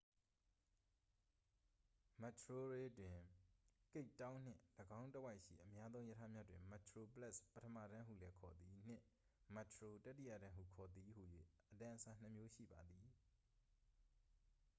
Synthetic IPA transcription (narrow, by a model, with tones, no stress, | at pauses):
ma˨tʰɹo˦ɹe˦dwɪ̃˨ke˦ɪʔtːã˦ʊ̃n̥ɪ̰̃˦˨ləɡã˦ʊ̃ntə˦wa˦ɪʔʃḭ˦˨ʔəmja˦d̪ðõ˦ʊ̃jə˦tʰa˦mja˦dwɪ̰̃˨ma˨tʰɹo˨pəla˦˨spətʰə˦mä̰˦˨ɾã˦ɦṵ˦˨lɛ˦kʰɔ˨d̪i˨n̥ɪ̰̃˦˨ | ma˨tʰɹo˨ta˦tːi˦˨ja̰˦˨ɾã˦ɦṵ˦˨kʰɔ˨d̪i˨hu˨jwḛ˦˨ʔətã˨ʔəsa˨n̥ə˨mjo˦ʃḭ˦˨ba˨d̪i˨